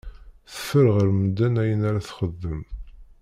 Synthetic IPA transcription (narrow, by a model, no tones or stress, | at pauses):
θə̥fəɾʁəɾməd̪ænæjənaɾaθχəðːəm